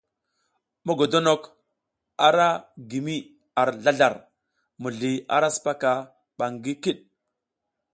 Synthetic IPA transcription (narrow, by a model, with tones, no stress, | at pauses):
mo˦ɡo˨do˦no˨k | a˨ɾa˦ɡi˨mi˦ | a˨ɾɮa˦ɮa˨ɾ | mu˨ɮi˨a̰˨ɾa˦su̥˨pa˦ka˨ | ɓa˨ŋɡi˦ki˦ɗ̚